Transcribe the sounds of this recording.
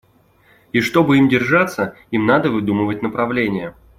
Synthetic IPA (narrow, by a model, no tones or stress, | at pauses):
iʂt̪o̞bɨimdʲɪrʐat̪sːə | imnad̪əvɨd̪umɨvət̚ʲnəpɾɐvlʲenʲɪjə